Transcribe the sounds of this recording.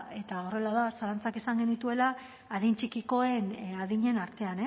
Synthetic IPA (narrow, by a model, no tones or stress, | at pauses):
e̞t̪ao̞re̞laðasalant͡sakisaŋɡe̞nit̪ue̞laː | ðint͡ʃikiko̞e̞naðiɲe̞naɾt̪e̞ane